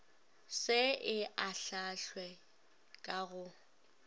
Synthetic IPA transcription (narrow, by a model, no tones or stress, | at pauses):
sɪɪʔaɬaɬwɛ | kʼaɣʊ